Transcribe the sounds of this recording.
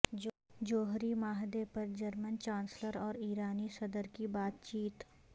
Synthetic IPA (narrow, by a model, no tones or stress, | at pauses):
d͡ʒoːɦɾimaːɦd̪epɐɾd͡ʒɐɾmənt͡ʃãːnsləɾɔːɾiːɾaːnisɐd̪əɾkibaːt̪t͡ʃiːt̪